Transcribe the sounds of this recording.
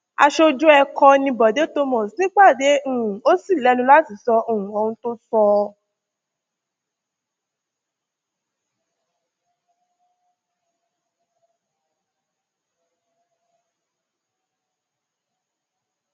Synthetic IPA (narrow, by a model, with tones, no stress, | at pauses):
a̰˧ʃo˧d͡ʒu˦ɛ˧kɔ˧nĩ˧bɔ˨de˨˦to˧mɔ̃˨snĩ˦k͡pa˦˨de˨˦ũ˦˨ũ˨o˦si˦˨lɛ˨˦nũ˧la˦ti˨sɔ˧õ˨ũ˨o˧hũ˧to˦sɔ˧